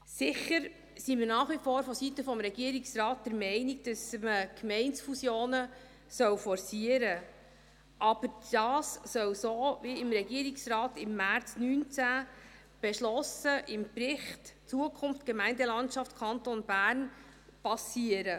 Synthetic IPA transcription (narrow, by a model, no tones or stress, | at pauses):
sɪχəɾ | simɪnɑːχʋifɔːɾfɔsitəfɔmɾɛɡiəɾɪksrɑːt̚d̥əɾmɛɪnɪɡ̚d̥əsməkmɛɪntsfusjoːnə | sœwfɔɾsiəɾə | ʔɑb̥əɾd̥ɑːsːœwsoːviɪmɾɛɡiəɾɪksrɑːtɪmːært͡snyːnt͡sæ | b̥ɛʃlɔsəʔɪmprɪχtt͡suəkʰʊnftɡ̥ɛmɛɪndəlɑntʃɑftkʰɑntonbæːɾn | pɑsiəɾə